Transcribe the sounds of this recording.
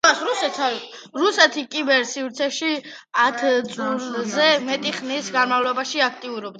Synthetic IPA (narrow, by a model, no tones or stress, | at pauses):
asɾusɛt̪ʰaɾusɛt̪ʰikʼibɛɾsivɾt̪sʰɛʃi | at̪ʰt̪sʼuɾzɛmɛt̪ʼiχnisɡanmavlˠɔbaʃiak̚ʰt̪ʼiuɾɔbd̪a